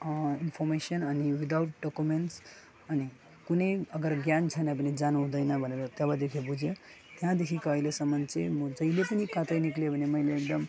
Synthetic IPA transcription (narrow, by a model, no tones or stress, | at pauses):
inpʰoɾmesənəniwid̪awʈ̚ɖokumeɳʈs | əni | kunəjəɡəɾɡjant͡ʃʰəneəpned͡ʒanuɦũd̪əjnʌbʱəneɾt̪ebad̪ekʰebud͡ʒʱe | t̪ɦãd̪ekʰikʌɦjlesəmːənt͡ʃimd͡ʒəilepənikãt̪əjniklebʱəneməjleːk̚d̪əm